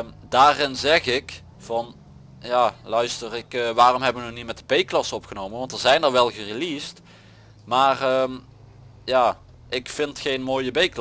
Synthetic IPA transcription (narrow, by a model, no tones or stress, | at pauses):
daːrɪnzɛχɪk | v̥ɑn | jaːlœɥstərɪkʋaːrɔmɦɛbəʋənənitmɛtəbejklɑsəɔpχənowmənʋɑntəɹzɛjnəɹʋɛlˠɣərilist | maːrəm | jaː | ʔɪkfɪntxejnmoːjəbejkl